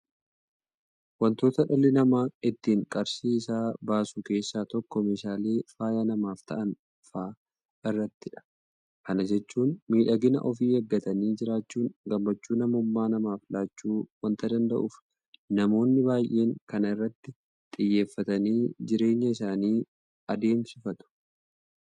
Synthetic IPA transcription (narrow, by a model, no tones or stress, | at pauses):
wɐnt̪o̞ːt̪ɐᶑɐlɪnɐmaːɪt̪ːiːŋkʼɐɾsiːsaːbaːsʊke̞ːsːaːt̪ɔkːɔmeːʃaːle̞ːfaːjɐnɐmaːft̪ʰɐʔɐn | faː | ɪrːɐt̪ːɪᶑɐ̥ | kɐnɐd͡ʒɛt͡ʃːuːnmiːᶑɐɡɪnɐ̰ʔɔfiːhɐɡːɐt̪ɐniːd͡ʒɪɾaːt͡ʃːuːŋɡɐmːɐt͡ʃːuːnɐmʊmːaːnɐmaːflaːt͡ʃːuːwɐnt̪ɐd̪ɐnd̪ɐ̰ʔʊf | nɐmo̞ːnːɪbaːjʔe̞ːŋkɐnɪrːɐt̪ːɪ | t̪ʼɪjːe̞ːfːɐt̪ɐniːd͡ʒɪɾe̞ːɲːɐɪsaːniː | ɐd̪e̞ːmsɪfɐt̪ʊ̥